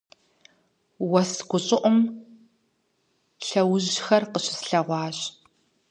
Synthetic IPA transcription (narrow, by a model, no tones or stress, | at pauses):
wɐsɡʷʊɕʼɪʔʷʊm | ɬɐwʊʑxɐrqəɕɪ̥sɬɐʁʷɑːɕ